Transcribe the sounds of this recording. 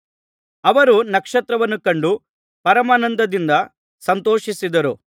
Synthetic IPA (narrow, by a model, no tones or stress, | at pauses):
ɐʋɐɾunɐkʂɐt̪ɾɐʋɐnːukɐɳɖu | pɐɾɐmaːnɐnd̪ʱɐd̪ind̪ɐ | sɐnt̪oːʂisid̪ɐɾu